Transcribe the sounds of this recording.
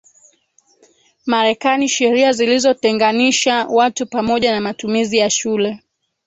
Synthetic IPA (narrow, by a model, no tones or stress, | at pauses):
maɾɛkaniʃɛɾiazilizɔtɛŋɡaniʃawatupamɔʄanamatumizijaʃulɛ